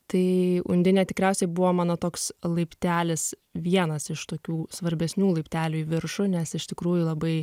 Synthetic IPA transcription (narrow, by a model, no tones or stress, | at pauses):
t̪ɐɪʊ̰nʲd̪ʲɪnʲɛt̪ʲɪkɾʲɛˑʊsʲɛɪbʊʋoːmɑːnoːt̪oːkslˠɐɪpʲt̪ʲæːlʲɪs | ʋʲiɛnɐsɪʃt̪oːkʲuːsʋɐɾʲbʲɛsʲnʲuːlˠɐɪpʲt̪ʲæːlʲuːiːʋʲɪɾʃʊnʲɛsɪʃt̪ʲɪkɾuːjʊlˠɐbɐɪ